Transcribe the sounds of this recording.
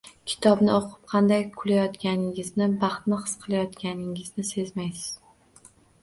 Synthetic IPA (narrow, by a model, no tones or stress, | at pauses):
kʲʰɪ̥t̪ʰɒbnɪoqʰɨp̚qʰɑnd̪ajkʰʊlajɒt̪kʲanɪŋɪznɪbɑχt̪nɪχɨ̥sqʰɨlˠajɒt̪kʲanɪŋɪznɪse̞zmajsɪ̥z̥